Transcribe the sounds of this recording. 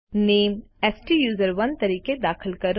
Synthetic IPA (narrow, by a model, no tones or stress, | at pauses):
neːmɛːsʈijuːzəɾʋɐnt̪ɐɾiːked̪aːkʰəlkɐɾ